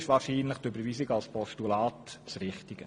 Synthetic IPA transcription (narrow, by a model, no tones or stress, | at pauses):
ʃʋɑːrʃiːnləχtøbəɾviːsɪɡɑlspɔʃtulɑːtsɾɪχtɪɡ̥ə